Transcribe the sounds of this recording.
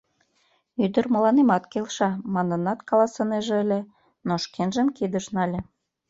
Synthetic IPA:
yd̪ə̆rmə̆lɑnemɑt̪kelʃɑmɑnə̆nɑt̪kɑlɑsɤ̆neʒeəlʲe | noʃkenʒəmkid̪ə̆ʃnɑlʲĕ

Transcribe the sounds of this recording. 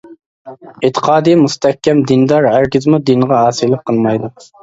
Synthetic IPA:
et̪ʰːə̥qʰɑːd̪ɨjmust̪ʰɛhkʲːɛmd̪ind̪ɑɾæɾkʲɪzmud̪inʁɑɦɑːsɨlˠɨp̚qʰəlˠmɑjd̪u

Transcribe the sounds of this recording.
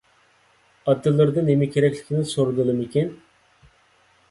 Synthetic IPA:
ɑt̪ʰːɨlˠːɨɾd̪ɨnemɛkʲʰeɾɛkʲlʲɪ̥kʲʰinɪsoɾɨd̪ɨlˠɨmikʲin

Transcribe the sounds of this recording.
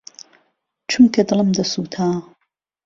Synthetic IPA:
t͡ʃʰumkʰɐd̪ɨlˠəmd̪ɐsuːt̪ʰaː

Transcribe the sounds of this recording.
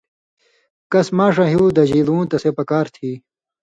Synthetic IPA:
kɐsmaːʂɐ̃ɦijuud̪ɐd͡ʑiːlũːt̪ɐsepɐkaːɾt̪ʰiː

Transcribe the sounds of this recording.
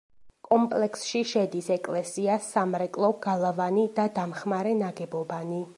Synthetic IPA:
kʼɔmpʼlɛksʃiʃɛd̪isɛkʼlɛsiasːamɾɛkʼlˠɔɡ̥alˠavanid̪ad̪amχmaɾɛnaɡɛbɔbani

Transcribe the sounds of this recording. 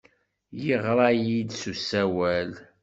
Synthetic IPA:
jəʁɾˤɑjid̪susːæwæl

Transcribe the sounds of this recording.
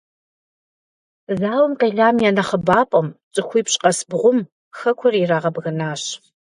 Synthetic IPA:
zaːwʊmqeːɮaːmjaːnɐχəbaːpʼɐmt͡sʼɨxʷiːpɕʼqɐsbʁʷʊm | xɐkʷʰɔriraːʁɐbɣɐnaːɕ

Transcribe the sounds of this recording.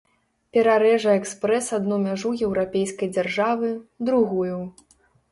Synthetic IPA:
pʲɛɾaɾɛʐɐɛkspɾɛsad̪numʲaʐujɛwɾapʲejskɐjd͡zʲarʐavɨd̪ɾuɣujuw

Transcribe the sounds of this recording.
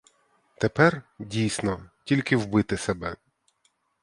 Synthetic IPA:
t̪epɛrdʲijsʲnɔtʲilʲkɪwbɪt̪ɪsebɛ̰

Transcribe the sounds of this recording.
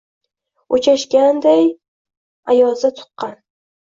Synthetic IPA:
ot͡ʃʰaʃkʲand̪aj | ajɒzat̪ʰʊ̥qːɑn

